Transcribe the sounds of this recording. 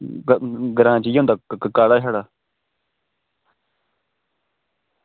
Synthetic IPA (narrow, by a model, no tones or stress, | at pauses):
ɡəɾãːt͡ʃijɦũnd̪aːkaːɽaːɦaːɽaː